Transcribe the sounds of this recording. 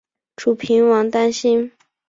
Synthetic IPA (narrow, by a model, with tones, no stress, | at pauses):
ʈ͡ʂʰu˨˩pʰi˧˥nwɑ˧˥ŋt̪a˥nɕi˥n